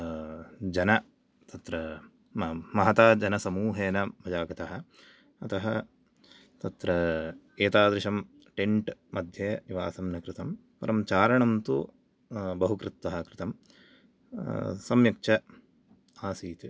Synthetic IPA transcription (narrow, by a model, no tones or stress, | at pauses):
d͡ʒɐnɐ | t̪ɐt̪ɾɐ | mɐɦɐt̪aːd͡ʒɐnɐsɐmuːɦeːnɐbɐd͡ʒaːɡɐt̪ɐɦɐ̆ | ɐt̪ɐɦɐ | t̪ɐt̪ɾɐ | eːt̪aːd̪ɾiʃɐm | ʈeɳʈmɐd̪ʱjɐniʋaːsɐmnɐkɾɪt̪ɐmpɐ̰ɾɐmt͡ʃaːɾɐɳɐmt̪u | bɐɦukɾɪt̪ʋɐɦɐ̆kɾɪt̪ɐm | sɐmjɐkʂʰɐ | aːsiːt̪i